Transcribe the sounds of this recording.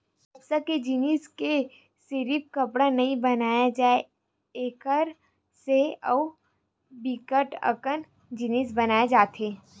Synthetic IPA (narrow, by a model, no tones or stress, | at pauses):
ɐbsəked͡ʒɪniːske | seɾip̚kɐpɽanɐɦĩbɐnaːjad͡ʒaːe | eːkəɾ | seɔː | bikəʈə̰kən | d͡ʒɪnis̬bɐnaːed͡ʒaːt̪eː